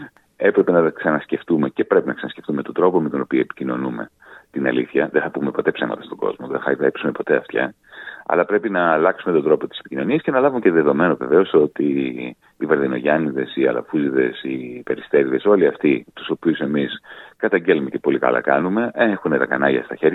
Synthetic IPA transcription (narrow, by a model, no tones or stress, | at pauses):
e̞pɾe̞pe̞nɐt̪ɐksɐnɐsce̞ft̪ume̞ce̞pɾe̞pinɐksɐnɐsce̞ft̪umet̪o̞d̪ɾo̞po̞me̞t̪ono̞pioepi̥cino̞nume̞ | t̪inɐ̰liθçɐðeθɐpume̞po̞t̪e̞psemɐ̰t̪ɐst̪oɡ̥o̞̰zmoðeθɐepsume̞po̞t̪e̞ɐft̪çɐ̰ | ɐ̰lɐpɾe̞pinɐːlɐksumet̪o̞d̪ɾo̞po̞t̪i̥se̥picinoniɐsce̞nɐlɐvumceðe̞ðo̞me̞no̞ve̞ve̞o̞so̞t̪iː | vɐɾðino̞ʝɐniðe̞siɐ̰lɐ̰fuziðe̞sipe̞ɾist̪e̞ɾiðe̞so̞liɐft̪it̪u̥so̞piuse̞miskɐt̪ɐɲɟe̞lumece̞po̞likɐ̰lɐ̰kɐnume̞eexunet̪ɐkɐ̰nɐʝɐ̰st̪ɐçe̞ɾɐ